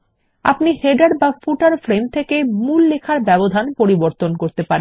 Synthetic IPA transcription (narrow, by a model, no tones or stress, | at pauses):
a̰pniheɖaɾbafuʈaɾfɾemt̪ʰekemulːekʰaɾbɛbod̪ʱanpoɾiboɾt̪onkoɾt̪epaɾen